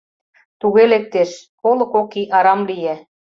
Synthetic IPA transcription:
t̪uɣelek̚t̪eʃkolɤ̆kokiʔɑɾɑmlijæ

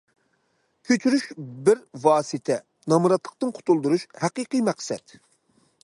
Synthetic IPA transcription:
kʲʰøt͡ʃʰyɾyʃbɪɾvɑːsɨt̪ʰɛ | nɑmuɾɑt̪lˠəq̚t̪ɨnqʰʊ̥t̪ʰulˠd̪uɾuʃhæqiqijmæqsɛ̰t̪

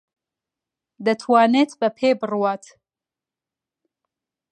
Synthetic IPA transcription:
d̪ɐt̪ʰwaːneːt̪bɐpʰeːbɨrwaːt̪

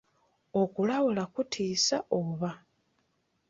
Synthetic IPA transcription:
o̞kulawulakutʰiːsaoβa

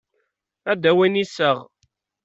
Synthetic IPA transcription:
æd̪æwinisːəʁ

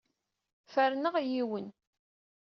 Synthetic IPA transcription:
fæɾnəʁjiwən

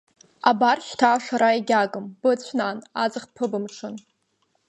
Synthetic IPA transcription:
abarʃtʰaːʃaɾaiɡʲaɡʼɨmb̥ɨt͡ɕʷʰnanad͡zɨχpʰɨbɨmʈ͡ʂʰɨn

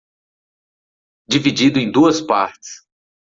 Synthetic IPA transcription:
d͡ʒivid͡ʒid̪ʊẽj̃d̪uɐspaɾt͡ʃɪ̥s

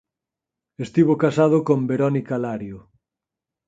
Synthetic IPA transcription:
est̪iβokasað̞okombeɾɔnikalaɾjo

